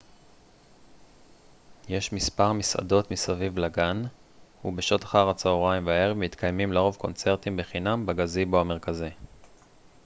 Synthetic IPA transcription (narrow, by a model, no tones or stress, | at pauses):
jeʃmispaʁmisa̰do̞t̪misavivlaɡan | hṵbeʃo̞t̪ḁχaʁat͡saoʁaimveaeʁmit̪kajmimleʁo̞vko̞nt͡se̞ʁt̪imbeχinambaɡaziboame̞ʁkazi